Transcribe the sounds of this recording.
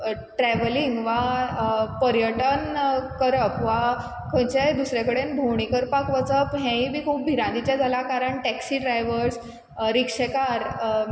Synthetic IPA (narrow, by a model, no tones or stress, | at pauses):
ʈɾɛʋəliŋɡʋa | pəɾjəʈənkəɾəkʋa | kʰə̃jt͡ɕad̪usɾjakəɽenbʱowɳikəɾpakʋət͡səpɦɛ̃ĩbiːkʰuːp̚bʱiɾãnd̪it͡ɕjad͡zʱalakaɾəɳʈɛksiɖɾajʋəɾs | ɾikʂekaɾ